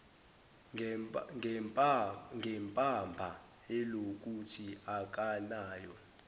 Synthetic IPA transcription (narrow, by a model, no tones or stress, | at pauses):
ŋɡʱɛmpʼambʱa | ɛlok̬ʼutʰiak̬ʼanaːjɔ